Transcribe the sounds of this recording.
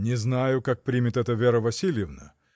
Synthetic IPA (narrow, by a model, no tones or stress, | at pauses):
nʲɪznajʊkak̚pɾʲimʲɪt̪ɛt̪əvʲeɾəvɐsʲilʲjɪvnə̰